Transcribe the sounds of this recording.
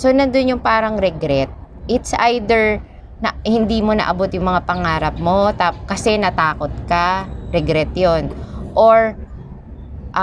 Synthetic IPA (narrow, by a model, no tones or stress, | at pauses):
so̞nɐnd̪onjʊŋpaːɾɐŋɾɛɡɾɛt̪̚ | ʔɪt̪sʔajd̪ɛɹ | nɐhɪnd̪imo̞nɐ̰ʔɐbot̪jʊŋmɐŋapɐŋaːɾɐp̚mo̞t̪akɐsɛnɐt̪aːko̞t̪̚kɐɾɛɡɾɛt̪jonʔoɹ | ʔ